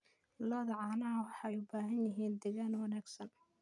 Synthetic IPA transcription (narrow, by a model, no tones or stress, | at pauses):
lɔːðɐʕɑːnɐɐwɑħɑɛjʊbaːɦɐnjɪɦiːnd̪ɛɣaːnwɑnaːɡsɐn